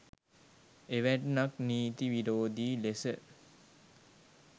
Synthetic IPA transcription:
eʋæʈnakniːt̪iʋiɾoːd̪iːlesə

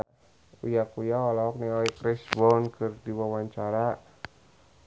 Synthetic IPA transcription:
ujakujaɔlaɔk̚niɔɛkɾɛsbɔnkɨrdiwawaɲt͡ʃaɾa

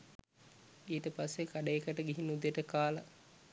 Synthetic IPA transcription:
iːtəpasːekaɖəekəʈəɡiɦinːud̪jeʈəkaːlə

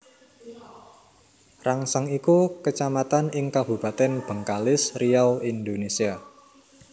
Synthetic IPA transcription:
raŋsaŋikukət͡ʃamat̪anɪŋkab̥ṳbat̪ɛnb̥əŋkalɪsrijawind̪onesia

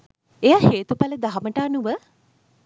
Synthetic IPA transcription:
ejaheːt̪upaləd̪aɦaməʈaːnuʋə

